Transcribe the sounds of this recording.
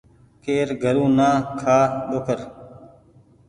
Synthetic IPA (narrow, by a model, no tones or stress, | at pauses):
keːɾɡʱəɾũːnãːkʰaːɗ̪oːkʰəɾ